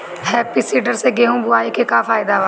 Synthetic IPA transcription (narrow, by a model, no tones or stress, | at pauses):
ɦeːpisiːɖəɾseɡeːɦũːbʊaːikekafaːɪd̪aʋaː